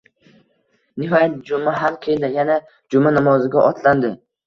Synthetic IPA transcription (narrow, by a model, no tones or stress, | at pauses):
nɪɦɒjat̪̚d͡ʒʊmaɦalqʰed̪ajana | d͡ʒʊmanamɒzɪɡʲaʔɒt̪ʰland̪ɪ